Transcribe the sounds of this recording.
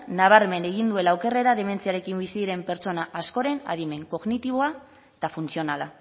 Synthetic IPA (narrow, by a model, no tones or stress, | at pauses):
naβ̞aɾme̞ne̞ɣ̞ind̪ue̞lawke̞re̞ɾaðe̞me̞nt͡siaɾe̞kimbisiðiɾe̞mpe̞ɾt͡so̞naʔasko̞ɾe̞na̰ðime̞ŋko̞ɣnit̪iβ̞o̞a | t̪afunsio̞nala